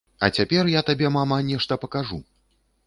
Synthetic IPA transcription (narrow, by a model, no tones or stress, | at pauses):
ɐ̰t͡sʲapʲɛrjat̪abʲɛmamanʲɛʂt̪ɐpɐkaʐu